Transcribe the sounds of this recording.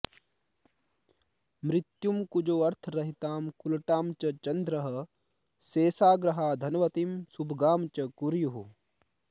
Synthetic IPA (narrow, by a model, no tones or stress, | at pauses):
mɾɪt̪jumkud͡ʒoːɐɾt̪ʰɾɐɦit̪aːmkulʈaːmt͡ʃɐt͡ʃɐnd̪ɾɐɦɐ̆ | seːsaːɡɾɐɦaːd̪ʱɐnʋɐt̪imsubʱɡaːmt͡ʃɐkuɾjuɦu